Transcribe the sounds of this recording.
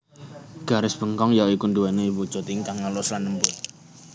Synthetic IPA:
ɡ̥aɾɪsb̥əŋkɔŋjaikunduɛneiwu̥d͡ʒ̥ot̪iŋkaŋaloslanːəmpʊt̪

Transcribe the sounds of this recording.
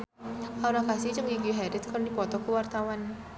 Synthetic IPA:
ʔawɾakasid͡ʒəŋiɡiɦɛdɛt̪̚kərdipɔt̪ɔkəwart̪awan

